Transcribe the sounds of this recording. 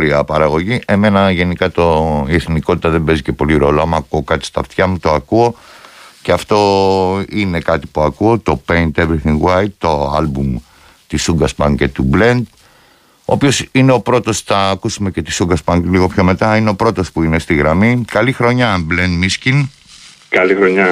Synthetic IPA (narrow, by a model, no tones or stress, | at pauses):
ɾiɐpɐɾɐɣo̞ʝiʔe̞me̞nɐʝe̞nikɐt̪oie̞θniko̞t̪it̪ɐðe̞mbe̞zice̞po̞liɾo̞loɐmɐːkuokɐt̪i̥st̪ɐft̪çɐmut̪oɐkuo̞ce̞ɐft̪o̞ | ine̞kɐt̪ipuɐkuo̞t̪o̞pent̪evɾiθiŋwɐjt̪t̪o̞ɐ̰lbum | t̪isuŋɡɐspɐŋce̞t̪uble̞nd̪ | opço̞sine̞o̞pɾo̞t̪o̞sθɐːkusume̞ce̞t̪isuŋɡɐspɐŋɡliɣo̞pço̞me̞t̪ɐine̞o̞pɾo̞t̪o̞spuine̞st̪iɣɾɐmikɐlixɾo̞ɲɐble̞nd̪miscin | kɐlixɾoɲɐ